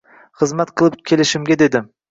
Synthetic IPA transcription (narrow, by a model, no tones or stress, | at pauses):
χɨzmat̪qʰɨlˠɨp̚kʲʰe̞lɪʃɪmɡʲed̪e̞d̪ɪ